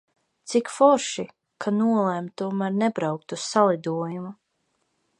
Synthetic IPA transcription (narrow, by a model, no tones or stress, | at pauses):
t̪sikfɔɾʃi | kʰanuɔlˠɛmt̪uɔmæɾnɛbɾawk̚t̪ussalˠid̪uɔjumu